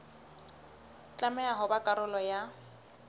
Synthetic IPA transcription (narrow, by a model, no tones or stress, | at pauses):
t͡ɬʼamɛaɦʊbakʼaɾʊlɔja